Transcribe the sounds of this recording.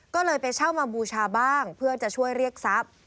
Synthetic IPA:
kɔː˥˩lɤː˧jpa˧jt͡ɕʰa˥˩wmaː˧buː˧t͡ɕʰaː˧baː˥˩ŋpʰɯ˥˩ɐt͡ɕa˨˩ʔt͡ɕʰu˥˩əjɾi˥˩ək̚sa˦˥p̚

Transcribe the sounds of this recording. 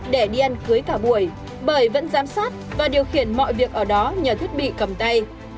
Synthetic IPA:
ɗe˧˩ɗi˧ʔa˧nkɨ˨˦jkaː˧˩ɓu˧˩əj | ɓəː˧˩jvə̰˧˥nzaː˨˦msaː˦˥t̚vaː˨˩ɗi˨˩əwxi˧˩ənmɔ̰˧˨jvi˨˩ək̚ʔəː˧˩ɗɔ˨˦ɲəː˨˩t̪ʰwi˦˥t̚ɓḭ˧˨kə˨˩mt̪a˧j

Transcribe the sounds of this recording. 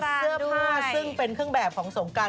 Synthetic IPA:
ɯ˥˩əɯ˥˩ɐsɯ˥˩ŋpe˧nkʰɯ˥˩əŋbɛː˨˩p̚kʰɔː˩˦ŋso˩˦ŋkaː˧

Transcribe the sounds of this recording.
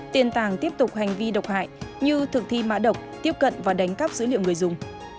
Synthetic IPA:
t̪i˨˧˩nt̪aː˨˩ŋt̪i˦˥əp̚t̪ʊ˨˩k͡p̚ha˨˩jŋ̟vi˧ɗə˨˩wk͡p̚ha̰ː˧˨jɲɨ˧t̪ʰɨ˨˩k̚t̪ʰi˧˨ma̰ː˧˥ɗə˨˩wk͡p̚t̪i˦˥əp̚kə̰˧˨nvaː˨˩ɗa˨˦jŋ̟ka˦˥p̚zɨ̰˧˥lḭ˧˨əŋ͡mŋɨ˨˩əjzʊ˨˩ŋ͡m

